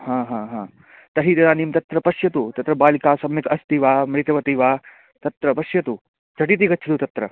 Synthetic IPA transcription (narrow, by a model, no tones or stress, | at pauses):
hãːɦãːɦãː | t̪ɐɦit̪ɐɾaːniːmt̪ɐt̪ɾɐpɐʃjɐt̪ut̪ɐt̪ɾɐbaːlikaːsɐmnɐkɐst̪iʋaːmɾit̪ɐʋɐt̪iːʋaː | t̪ɐt̪ɾɐpɐʃjɐt̪u | t͡ʃʰɐʈit̪̬ikɐtːt͡ʃʰɐt̪ut̪ɐt̪ɾɐ